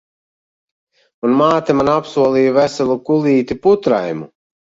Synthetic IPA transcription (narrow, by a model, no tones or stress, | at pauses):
unmaːt̪ɛmanapsuɔlˠiːjuvæsɛlˠukulˠiːt̪iput̪ɾa̰jmṵ